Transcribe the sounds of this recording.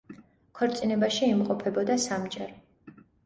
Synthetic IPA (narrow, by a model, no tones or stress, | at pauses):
kʰɔɾt̪sʼinɛbaʃiːmqʼɔpʰɛbɔd̪asamd͡ʒɛɾ